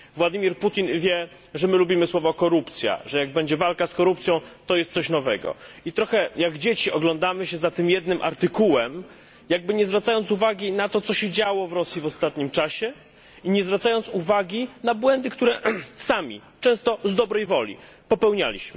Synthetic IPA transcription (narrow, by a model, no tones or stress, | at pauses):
vwad̪ɘmʲiɾput̪ʲinvʲjɛ | ʐɛmɘlubʲimɘswɔvɔkɔɾupt̪sʲja̰ʐɛjaɡ̚bɛɲd͡ʑɛvalkaskɔɾup̚t̪sʲjɔ̃w̃t̪ɔjɛst̪sɔɕnɔvɛɡɔ̰it̪ɾɔxɛjaɡd͡ʑet͡ɕiʔɔɡlɔnd̪amɘɕɛzat̪ɘmjɛd̪nɘmʔa̰ɾt̪ɘkuwɛm | jaɡ̚bɘɲɛzvɾat̪sajɔnt̪suvaɡʲinat̪ɔt̪sɔɕɛd͡ʑawɔvɾɔsʲjivɔst̪at̪ɲimt͡ʂaɕɛ | iɲɛzvɾat̪sajɔnt̪suvaɡʲinabwɛnd̪ɘkt̪uɾɛsamʲḭ | t͡ʂɛ̃w̃st̪ɔzd̪ɔbɾɛjvɔlʲḭ | pɔpɛwɲa̰lʲḭɕmɘ